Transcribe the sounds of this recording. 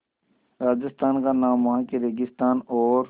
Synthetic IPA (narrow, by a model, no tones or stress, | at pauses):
ɾaːd͡ʒɪst̪aːnkanaːmãkeɾeɡɪst̪aːnoːɾ